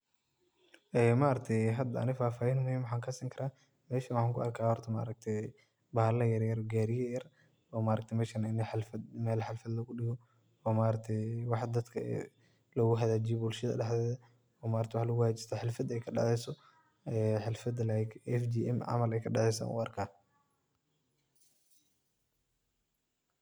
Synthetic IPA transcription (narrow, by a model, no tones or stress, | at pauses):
ʔɛːmaːɾɐk̚t̪ʰɛjɦɐd̪ɐɐ̰nɪfaːfaːjɛnmʊhiːmwħaːŋkʰɐsɪŋkʰɐɾaː | mɛːʃɐwɑħaːŋkʰʊɐrkʰaːhɔrt̪ʰɐma̰ːɾɐk̚t̪ʰɛ | bɐhlɐjɐɾjɐɾɡaːɾɪjɐjɐr | ɔːmaːɾɐkt̪ʰmɛːʃɐnɪnħlfɐd̪mɛːlħɑlfɐd̪lɐɣʊɗɪɣɔ | ɔːmaːɾɐk̚t̪ʰɛjwɑħd̪ɐd̪kʰɐɛ̰ | lɐɣʊɦɐðaːd͡ʒɪjɔbʊlʃɐðɐ̰ɗɑħdɛːðɐ | ɔːmaːɾɐkt̪ɛwɑħlɐɣʊhat͡ʃɪst̪ʰɐħɪlfɐd̪ɛjkʰɐɖɑ̰ʕɛjsɔ | ɛːħɪlfɐd̪lajɡɛfd͡ʒiʔɛmʕɑ̰mɐlɛjkʰɐɗɑʕɛjsa̰nʊ̰ɐrkʰaː